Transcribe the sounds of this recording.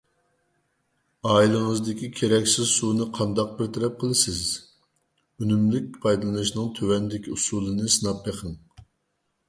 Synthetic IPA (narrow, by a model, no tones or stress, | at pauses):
ɑːilˠɨŋəzd̪ɪkʲikʲʰeɾɛkʲsɪzsunɨqʰɑnd̪ɑq̚bɪɾt̪ʰɛɾɛp̚qʰəlˠɨsɪz | ynymlɪk̚ʲpʰɑjd̪ɨlˠɨnɨʃnɨŋt̪ʰøwɛnd̪ɪkʲiusulˠɨnɨsɨnɑpbeqʰəŋ